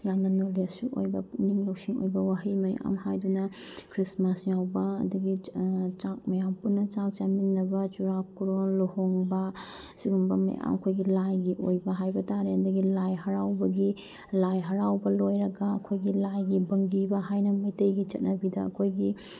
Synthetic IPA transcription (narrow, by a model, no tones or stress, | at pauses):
jamnɐnoliɐsuʔojbɐniŋlɐwsiŋo̰jbɐwaɦimɐja̰mhajdunɐkʰɾismasjawbɐɐ̰dɐɡit͡ʃak̚mɐjampunːɐt͡ʃak̚t͡ʃaminːɐbɐt͡ʃuɾakuɾolohoŋbɐsiɡumbɐmɐ̰ja̰mɐkʰojɡilajɡiʔojbɐɦajbɐtaɾeɐdɐɡilajɦɐɾawbɐɡi | lajɦɐɾawbɐlojɾɐɡɐɐkʰojɡilajɡibɐŋɡibɐɦajnɐmɐjtɐjɡit͡ʃɐt̚nɐbidɐɐ̰kʰojɡi